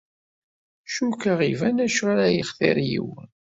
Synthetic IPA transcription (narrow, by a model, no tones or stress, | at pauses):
ʃukaʁivænæʃʁaɾæjiχθɪ̰ɾjḭwən